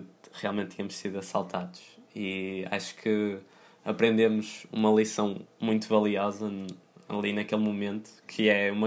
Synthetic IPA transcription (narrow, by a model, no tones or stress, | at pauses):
ʁialˠmẽnt̪ːiɲɐmʊʃsiðuɐsalˠt̪aðuʃia̰ʃu̥kʰɨ | ɐpɾẽnd̪emuʃṵmɐlˠisɐ̃w̃mũj̃t̪uvɐlˠiɔzɐ | ɐ̰lˠinɐkelˠmumẽnt̪u̥kʰɨɛumɐ